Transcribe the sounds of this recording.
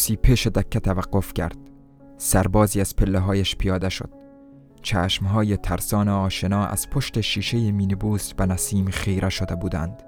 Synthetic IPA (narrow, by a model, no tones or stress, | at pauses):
siːpʰeʃed̪æcʰːæt̪ʰævæɡːo̞fcʰæ̰ɾd̪̥ | sæɾbɒːziːæz̥pʰelːeɦɒːjæʃpʰijɒːd̪eʃo̰d̪̥ | t͡ʃʰæ̰ːʃmɦɒːjet̪ʰæɾsɒːneɒːʃenɒːʔæ̰z̥pʰoʃt̪eʃiːʃejemiːnibuːsbænæsiːmχejɾʔæʃod̪ebuːd̪æ̰nd̪̥